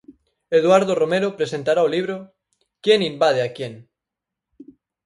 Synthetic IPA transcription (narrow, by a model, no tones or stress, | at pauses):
eð̞waɾð̞oromeɾopɾesent̪aɾaoliβ̞ɾo | kjenimbað̞eakjeŋ